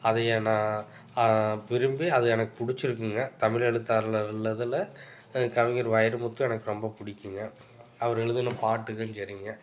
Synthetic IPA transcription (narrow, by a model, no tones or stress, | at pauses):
ɐðɐɛnaː | pɪɾɯmbiɐðɯɛnɐkːɯ̥pʊɽɪt͡ʃːɪɾɯkːɯŋɡɐt̪ɐmɪɭɛɭɯt̪ːaːɾɐlɐlːɐðɪlɐ | kɐʋɪŋɡɪɾʋɐjɐɾɯmʊt̪ːɯ̃ɛnɐkːɯɾɔmbɐpʊɽɪkʲːɯŋɡɐ | ɐʋɐɾɛɭɯnd̪ɯnɐpaːʈːɯɣɐnsɛɾiŋɡɐ